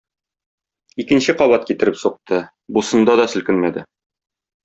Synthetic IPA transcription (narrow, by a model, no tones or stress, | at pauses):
ikɘ̆nɕɘqɒβɑt̪̚kit̪ɘ̆ɾɘpsuq̚t̪ɤ | busɤ̆nd̪ɑd̪ɒsɵ̆lkɘnmæd̪ɘ